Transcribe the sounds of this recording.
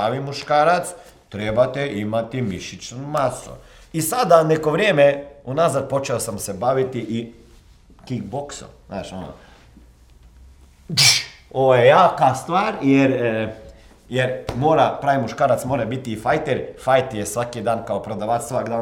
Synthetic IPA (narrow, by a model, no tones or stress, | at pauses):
aʋimuʃkaːɾat̪s | t̪ɾebat̪eimat̪imiʃit͡ʃnumasṵ | isad̪aneko̞ʋɾjeːmeunazad̪̚po̞t͡ʃeosamsebaʋit̪iʔi | kikbokso̰mzna̰ːʃono̰ | oʋojejaːkast̪ʋaːɾjeɾ | jeɾmoːɾapɾaːʋimuʃkaːɾat̪smoɾabit̪iːfajt̪eɾfajt̪jesʋakid̪aːnkaopɾod̪aʋat̪sʋakd̪aː